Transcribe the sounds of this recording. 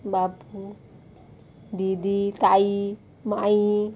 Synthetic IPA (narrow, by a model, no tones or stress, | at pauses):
bapu | d̪id̪it̪ai | mai